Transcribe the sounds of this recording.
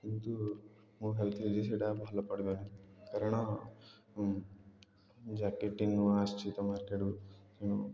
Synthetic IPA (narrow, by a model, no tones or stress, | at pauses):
int̪u | muɦelt̪ʰid͡ʒes̬iɽabʱaːlɐpɐɽɐd̪anikɐɾɐɳa | d͡ʒaːkːeʈːinːuaːst͡ʃit̪ɐmaːɾkaɽuneːnu